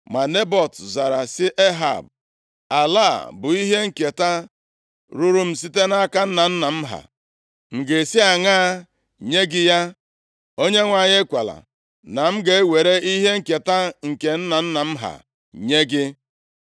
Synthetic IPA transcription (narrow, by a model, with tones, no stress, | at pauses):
ma˨ne˦bɔ˨tza˨ɾa˨sɪ˦ʔe˦ɦa̰˨b̚ | a˨la˦˨bʊ˨i˦ɦe˦ŋ̩˨ke˨ta˦ | ɾu˦ɾu˦m̩˨s̬i˦te˦na˦ka˦n̩˦na˨n̩˦na˨m̩˦ɦa̰˨ | m̩˨ɡe˨si˦a˨ŋaː˦ | ɲe˦ɡɪ˦ja˦ | o˦ɲe˦ŋʷa˨ɲɪ˦kʷa˨la̰˨ | na˨m̩˦ɡe˨˦we˨ɾe˦i˦ɦe˦ŋ̩˦˨ke˨ta˦ŋ̩˨ke˨n̩˦na˨n̩˦na˨m̩˦ɦa̰˨ | ɲe˦ɡɪ˦